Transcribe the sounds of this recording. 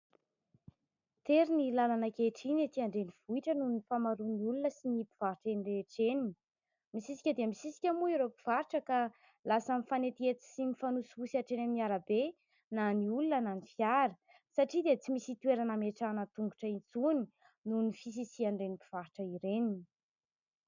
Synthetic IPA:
t̪eɾinilalanakeʈ͡ʂinet̪iaɳɖ͡ʐeniv̥uiʈ͡ʂənunnifamaɾuniulunəsinipi̥v̥aɾiʈ͡ʂenireʈ͡ʂeninii | misisi̥kʲəd̪eəmisisi̥kʲəmuiɾopi̥v̥aɾiʈ͡ʂəka | lasamifanet̪iet̪i̥simifanusuusaʈ͡ʂenaminiaɾabe | naniulunənanifjaɾə | saʈ͡ʂid̪et͡simisit̪ueɾanəmeʈ͡ʂanət̪uŋɡuʈ͡ʂəint͡suni | nunifis̬isiaɳɖ͡ʐenipi̥v̥aɾiʈ͡ʂəiɾenini̥

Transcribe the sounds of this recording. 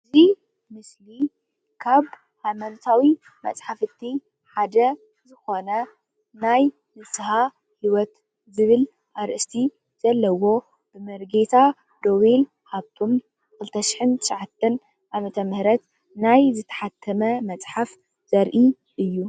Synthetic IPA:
ɨɨzi | mɨsli | kʰaβ | hajmɐnt̪ʰawi | mɐ̰t͡sʼħafɨt̪ʰːi | ħad̪ɐ | zɨxo̞nɐ | naj | nɨsɨha | hiwɔt̪ | zɨβɨl | ʔaɾʔɨst̪ʰi | z̥ɐlːɐwo̞ | b̥ɨmɐɾɡet̪ʰa | d̪o̞wel | haβt̪ʰo̞m | kʰɨlt̪ʰɐʃi̥ħɨnt̪ʰɨʃʕat̪ʰːɐn | ʔamɐt̪ʰɐmɨhɾɐt̪ | najzɨt̪ʰɐ̥ħat̪ʰːɐmɐmɐt͡sʼħaf | z̥ɐɾʔi | ʔɨjːu

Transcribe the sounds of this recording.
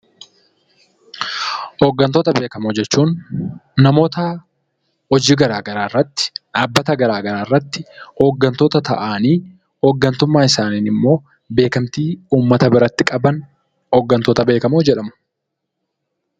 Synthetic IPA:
hɔɡːɐnt̪oːt̪ɐbe̞ːkɐmod͡ʒɛt͡ʃːuːnː | ɐmo̞ːt̪ɐ | hɔd͡ʒiːɡɐɾaːɡɐɾaːrːɐt̪ːɪ̥ᶑaːbːɐt̪ɐɡɐɾaːɡɐɾaːɪrːɐt̪ːɪoːɡːɐnt̪oːt̪ɐt̪ɐ̰ʔaːniː | hɔːɡːɐnt̪ʊmːaːɪsaːniːnɪmːo̞ː | be̞ːkɐmt̪iːuːmːɐt̪ɐbɪɾɐt̪ːɪkʼɐbɐn | ɔːɡːɐnt̪oːt̪ɐbe̞ːkɐmoːd͡ʒɛᶑɐmʊ̥

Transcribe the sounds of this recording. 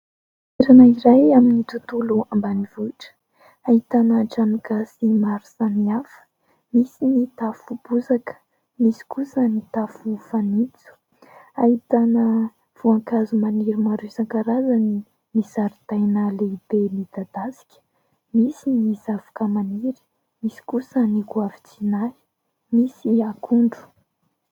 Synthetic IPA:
eɾanaiɾajaminit̪ut̪uluambanivuʈ͡ʂə̥ | ahit̪anaʈ͡ʂaniɡasimaɾu̥samiafə̥ | misinit̪afub̥uzakə̥ | misi̥kusənit̪afufanit͡su̥ | ait̪anə | v̥uaŋkazumaniɾimaɾisaŋkaɾazani | mizaɾit̪ajnaleibemid̪ad̪̥asi̥kʲə̥ | misinizavḁkəmaniɾi̥ | misi̥kusənikuavit͡sinaj | misiakʰuɳɖ͡ʐu̥

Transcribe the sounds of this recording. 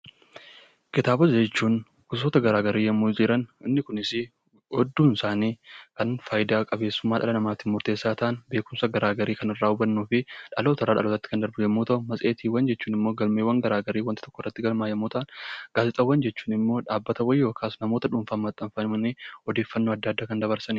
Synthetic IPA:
kɪt̪aːbɐst͡ʃːuːn | kʊsoːt̪ɐɡɐɾaːɡɐɾiːjɐmːuːd͡ʒɪɾɐnɪnːɪkʊnɪsɪ | hɔd̪ːuːnsaːniːkɐnfaːjɪd̪aːkʼɐbe̞ːsːʊmːaːᶑɐ̰lɐnɐmaːt̪ɪmʊɾt̪e̞ːsːaːt̪aʔːnbe̞ːkʊmsɐɡɐɾaːɡɐɾiːkɐnɪrːaːʊbɐnːuːfɪᶑɐloːt̪ɐrːaːᶑɐ̰lot̪ːɐt̪ːɪ̥kɐnd̪ɐɾbjɐmːuːt̪ɐʔʊmɐsʼe̞ːt̪iːwɐnd͡ʒɛt͡ʃːuːnɪmːo̞ːɡɐlmeːwːɐŋɡɐɾaːɡɐɾiːwɐnt̪ɪ̥t̪ɔ̥kːɔrːɐt̪ːɪɡɐlmaːjɐmːuːt̪ɐʔɐnɡ̥aːfɪt̪ʼɐwɐnd͡ʒɛt͡ʃːu̥ːnɪmːo̞ːᶑaːbːɐt̪ɐwɐjːo̞ːkʰaːsnɐmo̞ːt̪ɐᶑʊmfaːmɐt̪ʼːɐɱfɐnɪmɐniɔd̪e̞ːfːɐnːoːɐd̪ːaːd̪ːaːkɐnd̪ɐβɐɾsɐnɪ

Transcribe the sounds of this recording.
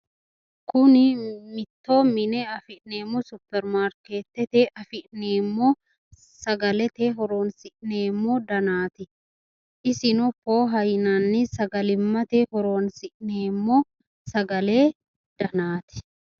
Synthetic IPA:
kʊnɪmɪt̪ːo̞ːmɪnɛɐfɪʔneːmːɔsʊpːɛɾmaːɾkeːt̪ːɛt̪eʔɐfɪʔneːmːo | sɐɡɐlɛt̪eːɦɔɾo̞ːnsɪʔneːmːoːd̪ɐnaːt̪ɪ | ʔɪsɪnʊpo̞ːɦɐjnanːɪsɐɡɐlɪmːɐt̪ehɔɾo̞ːnsɪʔneːmːoː | sɐɡɐle̞ː | d̪̥ɐnaːt̪ɪ̥

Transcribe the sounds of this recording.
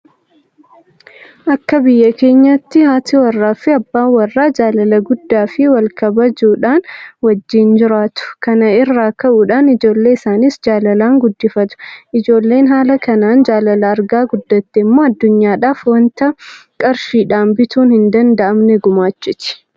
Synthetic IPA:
ʔɐkːɐbɪjːɐke̞ːɲːɐt̪ːɪhaːt̪ɪwɐrːaːfɪɐbːaːwɐrːaːd͡ʒaːlɐlɐɡʊd̪ːaːfɪwɐlkʰɐbɐd͡ʒuːᶑaːnwɐd͡ʒːɪnd͡ʒɪɾaːt̪ʊ̥kɐnɐɪrːaːkɐʔuːᶑaːnɪd͡ʒo̞ːlːe̞ːɪsaːnisd͡ʒaːlɐlaːŋɡʊd̪ːɪfɐt̪ʊ̥ʔɪd͡ʒo̞ːlːe̞ːnɦaːlɐkɐnaːnd͡ʒaːlɐlɐːɾɡaːɡʊd̪ːɐt̪ːɛːmːo̞ːɐd̪ːʊɲːaːᶑaːfwɐnt̪ɐkʼɐɾʃiːᶑaːmbɪt̪uːnhɪnd̪ɐnd̪ɐʔɐmnɛɡʊmaːt͡ʃːɪt̪ɪ̥

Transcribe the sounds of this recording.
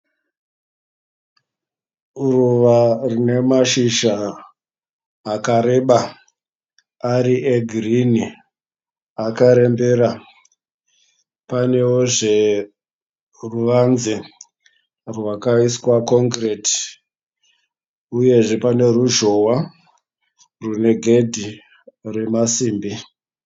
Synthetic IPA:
ruʋarine̞maʃiʃa | kaɾeɓa | aɾiʔeɡʱrini | akaɾe̞mbeɾa | pane̞woʐe̞ | ruʋanze | rwakaiswakoŋkreti̥ | uje̞ʐe̞pane̞ruʒo̞wa | rune̞ɡʱe̞dʱi | re̞masiːmbi

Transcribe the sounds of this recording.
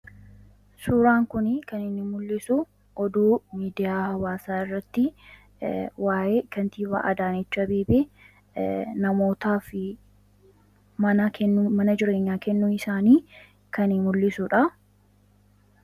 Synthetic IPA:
suːɾaːŋkʊnɪkɐnɪnːɪmʊlːɪsʊ | ʔɔd̪uːmiːd̪ɪjaːhɐwaːsaːɪrːɐt̪ːɪ | waːʔeːkɐnt̪iːwa̰ːʔɐd̪aːnɛt͡ʃːɐbeːbeː | nɐmo̞ːt̪aːfɪ | mɐnɐkʰɛnːʊmɐnɐd͡ʒɪɾe̞ːɲːaːkɛnːuːnɪsaːniː | kɐnɪmʊlːɪsuᶑɐ

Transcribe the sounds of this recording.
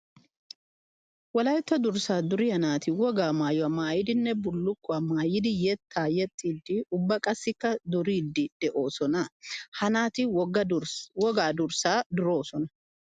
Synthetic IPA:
wɐlɐjt̪ːɐd̪ʊɾsaːd̪ʊɾɪhɐnaːt̪ɪwɔɡaːmaːjʊwɐmaːjɪd̪ɪnːɛbʊlːʊkːʊɐmaːjɪd̪ɪjɛt̪ːaːjɛt̪ʼːiːd̪ːɪʊbːɐkʼɐsːɪkːɐd̪ʊɾiːd̪ːɪd̪̥ɛʔo̞ːsɔnɐhɐnaːt̪ɪɔɡɐwɔɡaːd̪ʊɾsaːd̪ʊɾo̞ːsɔnɐ

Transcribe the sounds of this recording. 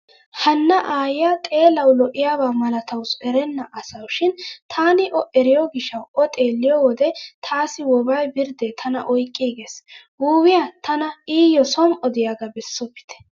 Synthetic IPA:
hɐnːɐʔaːjɪjat̪ʼe̞ːlɐwlɔʔɪjaːbaːmɐlɐt̪ɐwsɛɾɛnːɐʔɐsɐwʃɪnt̪ʰaːnɪʔɔʔɛɾɪjɔɡɪʃːɐwɔt̪ʼeːlːɪjɔwɔd̪ɛt̪ʰaːsɪwɔbɐjbɪɾd̪ɛt̪ʰɐnɐ̰ʔɔjkʼːiːɡeːs | wuːwɪjat̪ɐnɐiːjɔsɔmɔd̪ɪjaɡɐbɛsːɔpːɪ̥t̪ɛ̥

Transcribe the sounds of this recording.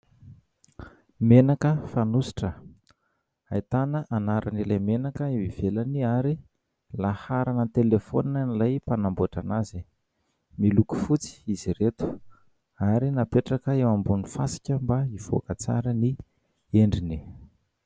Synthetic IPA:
menakəfanusi̥ʈ͡ʂə | ajt̪anəʔanaɾanilajmenakəiwiv̥elaniaɾi | lahaɾanət̪elefoninanilajpanamboʈ͡ʂanazi | miluku̥fut͡si̥iziɾet̪u̥ | aɾinapeʈ͡ʂakəewambunufasi̥kʲəmbaiv̥o̰kət͡sa̰ɾəni | eɳɖ͡ʐini

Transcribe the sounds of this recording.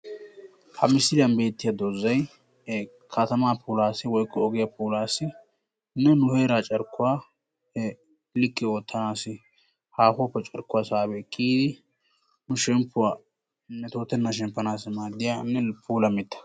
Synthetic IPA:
hɐmɪsɪlɪjɐnbe̞ːt̪ːɪjɐd̪ozːɐj | kʰɐt̪ɐmaːpʰuːlaːsɪwɔjkʼːɔɔɡɛjapuːlaːsɪ | nːɛnʊheːɾat͡ʃʼɐɾkːʊwaː | hɛ | lɪkʼːɪoːt̪ʰːɐnaːsɪ | haːfʊɔpːɛt͡ʃʼɐɾkːʊwaːsaːbɛkʰʼːiːd̪ɪ | nʊʃɛmpːʊwaː | nːɛt̪oːt̪ːɛnːɐʃɛmpːɐnaːsmaːd̪ːɪjanːɛpʰuːlɐmɪt̪ːɐ̥

